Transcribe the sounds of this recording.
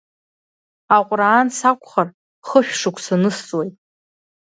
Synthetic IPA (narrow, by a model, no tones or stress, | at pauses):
aqʷʼraːnsakʷʰʼχar | χəʃʲᶣʂɨkʷʰsanɨst͡sʼwejtʼ